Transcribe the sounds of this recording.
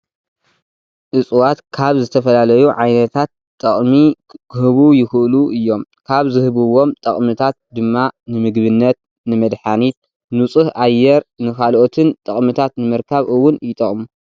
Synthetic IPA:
ʔɨsʼwat̪kʰaβzɨt̪ʰɐfɐlalɐjuʕajnɐt̪ʰat̪ʼːɐχʼmi | kʰɨhɨβujɪxɨʔluʔɨjːo̞mkʰaβzɨhɨβɨwo̞mt̪ʼɐχʼmɨt̪ʰat̪̚d̪ɨmːanɨmɨɡβɨnːɐt̪̚ | nɨmɐd̪ħanit̪̚ | nut͡sʼɨhʔajːɛɾnɨkʰalʔot̪ʰɨnt̪ʼɐχʼmɨt̪ʰat̪nɨmɐɾkʰaβʔɨwːʊnjɪt̪ʼɐχʼmu

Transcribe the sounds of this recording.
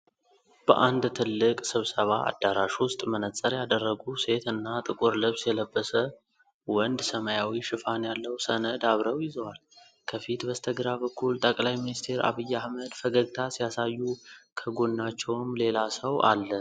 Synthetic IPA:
b̥ə̰ʔand̪t̪ʰɨlːɨkʼsɨβsəβaʔa̰d̪ːaɾaʃwʊst̪ʼmənət͡sʼəɾjad̪ərːəɡuse̞t̪ɨnːat̪ʼɨkʼʊɾlɨβsjɛləbːəsə | wɔnd̪səmajawiʃɨfanjalːəwsənəd̪aβɾəwjɪzəwal | kʰəfit̪bəst̪ʰəɡɾaβəkʰːult̪ʼəkʼlajminist̪ʰe̞ɾa̰βɨjːahməd̪fəɡəɡt̪ʰasijasajːukʰəɡo̞nːat͡ʃːɛwmle̞lasəwʔa̰lːən

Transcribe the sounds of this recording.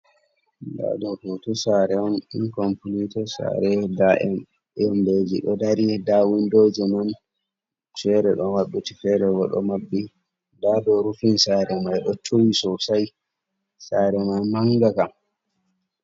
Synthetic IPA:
da̰dɔkɔtɔsaɾɛɔnḭnkɔmpulitɔsa̰ɾɛdaɛ | ɛɔnbed͡ʒḭɗɔdaɾidawindod͡ʒɛman | fɛɾɛɗɔmaɗːutifɛɾɛɡɔɗɔ̰mabːi | dadɔɾufinsaɾɛmajɗɔt͡ʃowisɔsaj | saɾɛmajmaŋɡakam

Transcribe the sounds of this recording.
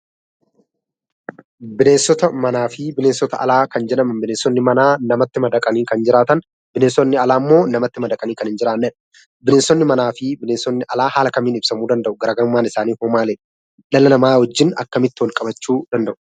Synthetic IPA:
bɪleːnsːɔt̪ɐmɐnaːfɪbɪleːnsɔt̪ɐʔɐ̰laːkɐnd͡ʒɛᶑɐmɐnbɪneːnsːɔnːɪmɐnaːnɐmɐt̪ːɪmɐd̪ɐkʼɐniːkɐnd͡ʒɪɾaːt̪ɐn | bɪneːsːɔnːɪɐlaːmːo̞ːnɐmɐt̪ːɪmɐd̪ɐkʼɐniːkɐnɪnd͡ʒɪɾaːnːɛᶑɐ̥ | bɪneːnsːɔnːɪmɐnaːfɪbɪneːnsːɔnːɪʔɐlaːhaːlɐkɐmːiːnɪbsɐmuːd̪ɐnd̪ɐʔʊɡɐɾaːɡɐɾʊmːaːnɪsaːniːhoːmaːleːᶑ | ᶑɐlɐnɐmaːhɔd͡ʒːɪnɐ̰kːɐmɪt̪ːɪwɔlkʼɐbɐt͡ʃːuːd̪ɐnd̪ɐʔʊ̥

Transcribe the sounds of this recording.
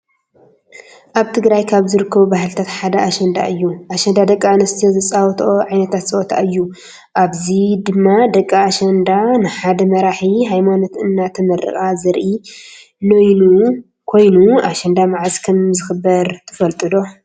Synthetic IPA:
ʔaβt̪ʰɨɡɾajkʰaβzɨɾɨkʰːɐβubaɦɨlɨt̪ʰat̪ħad̪ɐaʃɐnd̪a̰ʔɨjːuʔaʃɐnd̪ad̪ɐkʼːaɨnɨst̪ʰizɨt͡sʼawt̪ʰʔoʕajnɐt̪ʰat̪sʼɐʔɔt̪ʰa̰ʔɨjːu | ʔaβzid̪ɨmːad̪ɐkʼːaːʃɐnd̪anɨħad̪ɐmɐɾaħiɦajmano̞t̪ɨnːat̪ʰɐmɐɾɨ̰xʼazɨɾʔi | nojnu | kʰo̞jnuaʃɐnd̪amaʕzkʰɐmzɨxɨbːɐɾt̪ʰɨfɐlt̪ʼɨd̪o̞

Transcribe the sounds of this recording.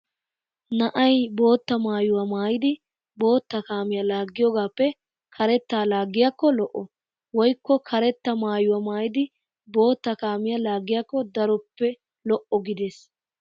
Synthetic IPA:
nɐʔɐjbo̞ːt̪ːɐmaːjʊwɐmaːjɪd̪ɪ | bo̞ːt̪ːɐkaːmɪjalaːɡːɪjoɡaːpːɛ | kʰɐɾɛt̪ːaːlaːɡːɪjakːɔlɔʔɔ | wɔjkːɔkʰɐɾɛt̪ːɐmaːjʊwɐmaːjɪd̪ɪ | bo̞ːt̪ːɐkaːmɪjɐlaːɡːɪjakːɔd̪ɐɾɔpːɛ | lɔʔɔɡɪd̪eːs

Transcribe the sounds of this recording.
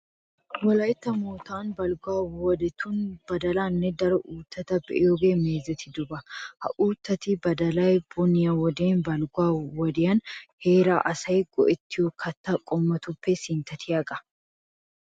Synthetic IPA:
wɐlɐɪt̪ːɐmoːt̪aːnbɐlɡaːwwɔd̪ɛt̪ʊnb̥ɐd̪ɐlaːnːɛd̪ɐɾɐʔuːt̪ːɐt̪ɐbɛʔjoːɡeːmeːzɐt̪ɪd̪ʊbɐhɐ̰ʔuːt̪ːɐt̪ibɐd̪ɐlɐjbʊnɪjɐwɔd̪eːnbɐlɡaːwɔd̪ɪjɐnheːɾaːʔɐsɐjɡ̥ɔ̰ʔɛt̪ːɪjokʰɐt̪ːɐkʼɔmːɐt̪ʊpːɛsɪnt̪ɐt̪ʰɪɐkʼɐ̥

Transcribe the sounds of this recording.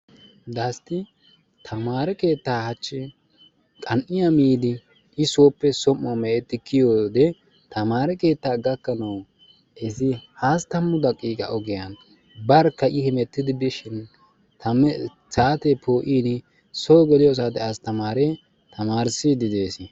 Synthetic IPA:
d̪ɐst̪ɪ | t̪ʰɐmaːɾɛke̞ːt̪ːaːhɐt͡ʃːɛ | kʼɐnʔɪjɐmiːd̪ɪ | ʔɪsoːpːɛsɔmːɔmɛɛt̪ːɪkɪjoːd̪ɛ | t̪ɐmaːɾɛke̞ːt̪ːaːɡɐkːɐnɐw | ɛsɪhaːst̪ɐmːʊd̪ɐkʼːiːkʼɐ̰ʔɔɡɛjɐn | bɐɾkːɐʔɪhɛmɛt̪ːɪd̪ɪbɪʃɪn | t̪ʰɐm | saːt̪ɛpʰoːʔiːnɪ | sɔɡɛlɪjɔs̬aːd̪ɛast̪ɐmaːɾɛ | t̪ʰɐmaːɾsɪd̪ɪd̪e̞ːsɪ

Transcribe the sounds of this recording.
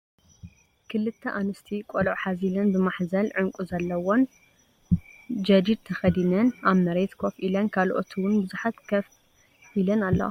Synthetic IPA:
kʰɨlɨt̪ʰːɐʔanɨst̪ʰikʼolʕħazilɐnbɨmaħzɐlʕɨŋkʼuzɐlːɐwo̞n | d͡ʒɐd͡ʒ̪id̪̚t̪ʰɐxɐd̪inɐnʔaβmɐɾet̪kʰofʔilɐnkʰalʔot̪ʰiwʊnbɨzuħat̪kʰɐf | ilɐnalːɐ̰

